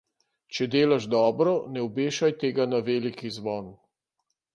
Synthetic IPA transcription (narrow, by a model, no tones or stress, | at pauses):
t͡ʃɛd̪eːlaʒd̪ɔːbɾɔnɛɔbeːʃajt̪eːɡanaʋeːlikizʋɔːnu